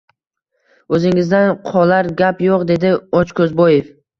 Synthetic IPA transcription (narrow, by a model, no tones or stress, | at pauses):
ɵzɪŋɪzd̪anqʰɒlaɾɡʲapjoqd̪e̞d̪ɪɒt͡ʃkʰɵzbɒje̞f